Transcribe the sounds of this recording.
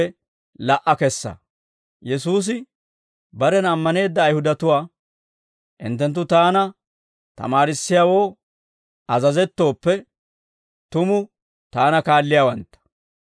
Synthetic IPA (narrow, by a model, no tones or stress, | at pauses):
ɛ | lɐʔɐkɛsːɐ̰ | jɛsuːs̬ɪ | bɐɾɛnɐmːɐne̞ːd̪ːɐːjhʊd̪ɐt̪ʊwaː | ʔɪ̰nt̪ːɛnt̪̬ːʊt̪aːnɐ | t̪ɐ̰maːɾɪsːɪjaːwo̞ː | ʔɐzɐzɛt̪ːo̞ːpːɛ | t̪ʊmʊ | t̪aːnɐkaːlːɪjaːwɐnt̪ːɐ̥